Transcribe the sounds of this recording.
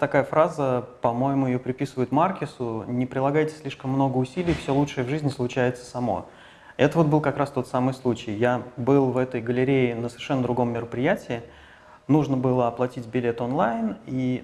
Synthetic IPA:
t̪ɐkajəfɾazəpɐmo̞jɪmʊjɪjopɾʲɪpʲisɨvəjʊt̪markʲɪsʊnʲɪpɾʲɪlˠɐɡajtʲɪ̥sʲlʲiʂkəmːno̞ɡəʊsʲilʲɪjfsʲo̞lˠutʂɨjəvʐɨzʲnʲɪslˠʊt͡ɕæjɪt̪sə̥sɐmo̰ | ɛt̪əvo̞t̪̚bɨlˠkɐkɾast̪o̞t̪samɨjslˠut͡ɕɪjjabɨlˠvɛt̪əjɡəlʲɪɾʲejɪnəsəvʲɪrʂɛnːəd̪ɾʊɡo̞mːʲɪɾəpɾʲɪjætʲɪɪ | nuʐnəbɨlˠəɐplˠɐtʲitʲbʲɪlʲe̞t̪onlˠajni

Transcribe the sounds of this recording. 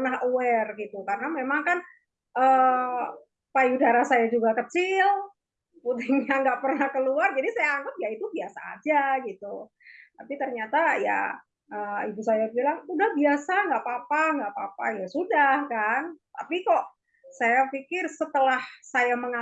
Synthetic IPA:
naɦəwɛrɡit̪ukarənamemaŋkan | ʔəː | pajudaɾasajad͡ʒuɡakət͡ʃɪl | put̪ɪŋɲaŋɡaʔpərnahkəluard͡ʒadisajaːŋɡəp̚jait̪ubiasa̰ːd͡ʒaɡit̪u | t̪apit̪ərɲat̪aja̰ | ʔəːibusajabilaŋudahbiasaŋɡaʔpapaŋɡaʔpapa̰jasudahkant̪apikɔʔ | sajapikɪrsət̪əlahsajaməŋa

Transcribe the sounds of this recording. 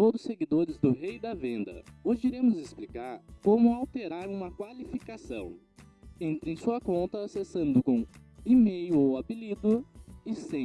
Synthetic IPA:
t̪od̪ʊseɡid̪oɾɪzd̪ʊɦejd̪ɐvẽnd̪ɐ̰oʒɪiɾẽmʊzɪsplikaɾkõmʊawt̪eɾaɾũmɐkwalifikasɐ̰̃w̃ | ẽnt̪ɾẽj̃suɐkõnt̪ɐːsesɐ̃nd̪ʊkõimejʊowabilid̪ʊɪsẽ

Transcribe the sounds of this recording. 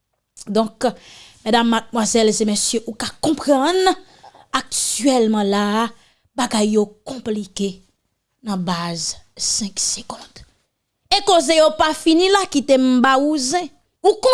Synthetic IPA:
d̪ɔ̃kmɛd̪amːad̪̚mwazɛlzemesjøʔukakɔ̃pʁãn | ak̚tɥɛlmɑ̃la | baɡajːokɔ̃plike | nɐ̃bazsɛ̃kseɡɔ̃d̪̥ | ekozejopafinĩlakit̪em̩bauzɛ̃ | ukɔ̃

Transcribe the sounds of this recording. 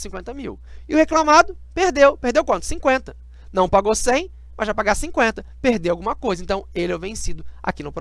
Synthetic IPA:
sĩŋkwẽnt̪ɐmiw | ɪʊheklamad̪ʊ | peɾd̪ewpeɾd̪ewkwɐ̃nt̪ʊ̥sĩkwẽnt̪ɐ | nɐ̃w̃paɡowsẽj̃ | mɐzʒapaɡasĩkwẽnt̪ɐpeɾd̪ewawɡũmɐkojzɐẽnt̪ɐ̃w̃elewvẽsid̪ʊa̰kinʊpɾ

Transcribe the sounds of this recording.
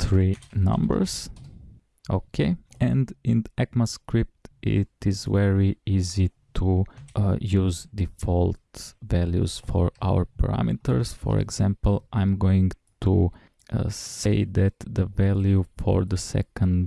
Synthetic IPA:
θɹinʌ̰̃mbə̰ɹz̥ | ʔokʰeɛ̃ndɪ̃ndʔɛkməskɹɪp̚tʔɪ̰tɪzvɛɹiizitʰu | juzd̪ifɔlˠtvæljṵz̥fɔɹʔaʊəɹpʰə̰ɹa̰mit̪əɹsfɔ̰ɹɛ̰ɡz̥æ̃mpəl̩ˠʔãɪ̃mɡoɪ̃ŋtʰu | seɪðæt̪ðəvɛljufɔɹðəsɛ̰kə̃nd

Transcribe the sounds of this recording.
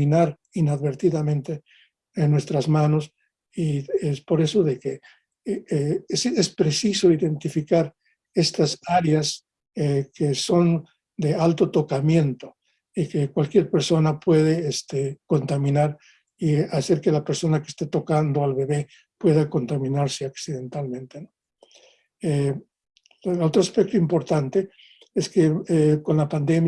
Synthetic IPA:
inaɾ | inaðβe̞ɾt̪iðamẽ̞nt̪e | enːwe̞st̪ɾazmano̞s | iespo̞ɾe̞so̞ðe̞ke | esespɾe̞siso̞iðe̞nt̪ifikaɾ | e̞st̪asaɾjas | ekeso̞n | d̪ealt̪o̞t̪o̞kamje̞nt̪o̞ | ikekwalkje̞ɾpe̞ɾso̞napwe̞ðe̞est̪ekont̪amĩnaɾ | iase̞ɾke̞lapeɾso̞nake̥st̪et̪o̞kand̪o̞alβe̞βe̞ | pwe̞ðako̞nt̪amĩnaɾseaksiðe̞nt̪almẽ̞nt̪eno | e | lo̞t̪ɾoaspe̞k̚t̪oimpo̞ɾt̪ant̪e̞ | eske̞ko̞nlapand̪e̞mj

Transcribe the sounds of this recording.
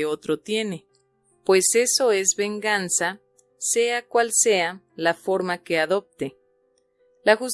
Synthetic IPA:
o̞t̪ɾot̪je̞ne̞ | pwe̞se̞so̞e̞zβeŋɡansa | se̞akwalsea | lafo̞ɾmake̞aðo̞p̚t̪e̞ | laxus

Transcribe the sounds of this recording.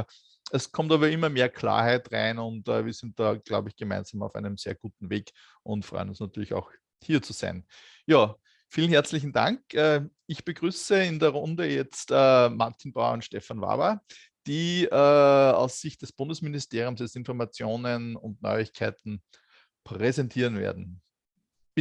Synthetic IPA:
ɛskʰɔmtavɐɪmːɐmeːɐkʰl̥a̰ːɐhæɪtʁa̰ɪnʊntɛ̰ːviːɐsɪnt̚d̥aːɡ̥laʊbəɪçɡ̥əmæ̰̃ɪnz̥amɑʊfæ̰ɪnəmseːɐɡ̥uːtn̩veːɡ | ʔʊ̃ntfʁ̥ɔ̰ʏənʊnsnatyːɐlɪça̰ʊx | hiːɐt͡suz̥a̰ɪn | jaː | fiːlən̩hɦɛɐt͡slɪçn̩da̰ŋkɛː | ɪçb̥əɡ̥ʁyːsəɪndəɐʁʊ̃ndəjɛt͡stəːmaɐtʰinb̥aʊɐ̰ʊ̃ntʃtɛfanva̰ːbɐ | d̥iːəːa̰ʊsːɪçt̚d̥ɛsb̥ʊndəsmɪnɪsteːʁjʊ̃msdɛsɪnfɔɐmat͡sjoːnənʊntnɔ̰ʏɪçkʰæɪtn̩ | pʁɛzɛntʰiːɐənvḛːɐdn̩

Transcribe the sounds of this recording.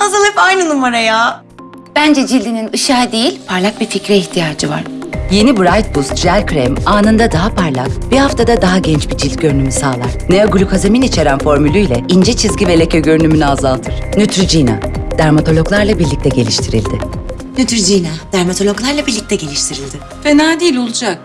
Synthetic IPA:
hazɯlˠɯpajnɯnumaɾajaː | b̥ænd͡ʒɛd͡ʒilʲd̪ininɯʃaːd̪ejilʲpʰaɾlʲˠak̚bificɾɛiht̪ʰijaːd͡ʒɯva̰ɾ̥je̞nibuɾajt̪̚busd͡ʒælʲkɾɛmaːnɯnd̪ad̪aɦapʰaɾlˠakb̥ihaft̪ʰad̪ad̪aɦaɟɛnt͡ʃbid͡ʒilʲt̪̚ɟø̞ɾynymysaːlˠaɾ̥neaɡulʲukʰazeminit͡ʃʰe̞ɾænfo̞ɾmylʲˠyjlʲɛind͡ʒɛt͡ʃʰizɟʲive̞lʲecʰeɟø̞ɾynymynyazalˠt̪ʰɯɾ̥nyt̪ʰɾyd͡ʒina̰d̪̥æɾmat̪ʰo̞lʲo̞ɡlˠaɾlˠabiɾlʲic̚t̪ʰɛɟe̞lʲiʃt̪ʰiɾilʲd̪ɪ | nyt̪ɾyd͡ʒinad̪æɾmat̪ʰo̞lʲoklˠaɾlˠabiɾlʲic̚t̪ʰɛɟe̞lʲiʃt̪ʰiɾilʲd̪ɪ | fenaːd̪ijilʲo̞lˠud͡ʒak̚

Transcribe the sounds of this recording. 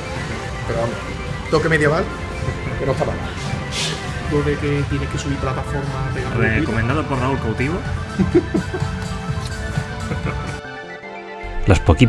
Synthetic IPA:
peɾoame | t̪okemeðjeβal | kenot̪ala̰na | d̪oðeket̪jenekesuβiɾplat̪afoɾmaerekomẽnd̪aðopoɾraulkawt̪iβ̞o | laspoki

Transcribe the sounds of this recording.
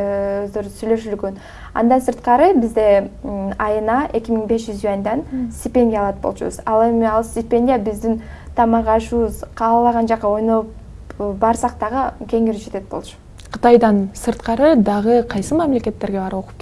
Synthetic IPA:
øzd̪øɾsyjlø̞ʃylyɡøn | ɑ̰nd̪ɑnsɨɾt̪qɑɾɯbɪzd̪e̞ɑjɯnɑʔe̞kʲimiŋbe̞sʒʏzyɑnd̪ɑnsʲt̪ʲɪpʲe̞nʲdʲjaɑlˠɑt̪̚bo̞lˠt͡ʃṵβə̰zɑlˠe̞mɪɑlˠsʲt̪ʲɪpʲe̞nʲdʲijabɪzd̪ɪn | t̪ʰɑmɑʁɑʃuβəzqʰɑɑlˠɑʁɑnd͡ʒɑqːɑo̞jno̞lˠp | bɑɾsɑq̚t̪ɑʁəkʰʲe̞ŋiɾd͡ʒe̞t̪e̞t̪̚bo̞̰lˠt͡ʃu̥ | qʰə̥t̪ɑjd̪ɑnsɨɾt̪qɑɾəd̪ɑʁəqʰɑjsɨmæmle̞kʲe̞t̪ːeɾɡʲe̞bɑɾo̞qu̥pk

